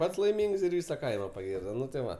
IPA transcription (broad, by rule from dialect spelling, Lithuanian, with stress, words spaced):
ˈpɐts lˠɐɪˈmʲɪŋks ɪr ˈʋʲɪsɐ ˈkɐɪmɐ pɐˈɡʲɪrdoː ˈnʊ tɐɪ ˈʋɐ